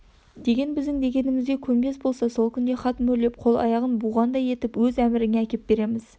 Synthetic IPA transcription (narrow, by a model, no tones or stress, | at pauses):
d̪̥e̞ɡʲe̞nbɪzd̪ɪŋd̪e̞ɡʲe̞nɪmɪzɡʲe̞kʲʰɵnbe̞sbo̞lˠsɑsolˠkʲʰʏnd̪e̞χɑt̪mɵle̞p̚qʰo̞lˠɑ̰jɑʁənbʊʁɑnd̪ɑje̞t̪ɪpwɵzæmɪɾɪŋeækʲe̞p̚b̥e̞ɾe̞mɪz̥